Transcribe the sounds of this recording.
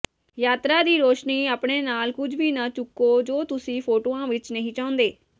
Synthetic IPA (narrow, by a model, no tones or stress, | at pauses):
jaːt̪ɾaːd̪iːɾoːʃniːaːpɳeːnaːlkʊd͡ʒʋiːnat͡ʃʊkːoːd͡ʒoːt̪ʊsĩːpʰoːʈoːãːʋɪt͡ʃnəɦĩːt͡ʃãːʊ̃nd̪eː